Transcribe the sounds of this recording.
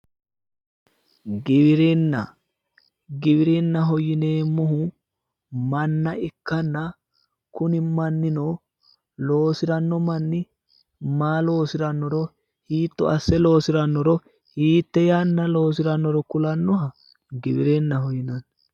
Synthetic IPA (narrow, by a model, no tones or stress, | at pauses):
ɡɪbɪɾɛnːɐ̰ | ɡɪbɪɾɛnːɐɦɔjɪne̞ːmːɔɦʊ | mɐnːɐɪkːɐnːɐ | kʊnɪmɐnːɪno | lo̞ːsɪɾɐnːɔmɐnːɪ | maːlo̞ːsɪɾɐnːɔɾɔ | hiːt̪ːɔ̰ɐsːɛlo̞ːsɪɾɐnːɔɾɔ | hiːt̪ːɛjanːɐlo̞ːs̬ɪɾɐnːɔɾɔkʊlɐnːɔɦɐ | ɡɪbɪɾɛnːɐɦɔjɪnɐn